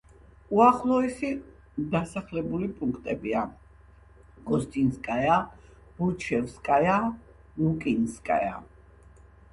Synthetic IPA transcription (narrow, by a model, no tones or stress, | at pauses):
uaχlˠɔɛsi | d̪asaχlɛbulipʼuŋkʰt̪ʼɛbia | ɡ̥ɔst̪ʼinskʼaja | b̥ut͡ʃʰɛfskʼaja | lukʼinskʼa̰ja̰